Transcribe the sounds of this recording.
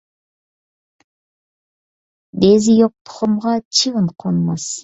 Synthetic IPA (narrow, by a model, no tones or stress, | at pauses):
d̪ezijoq̚t̪ʰu̥ʁomʁɑt͡ʃʰɯʁɯɴqʰonmɑs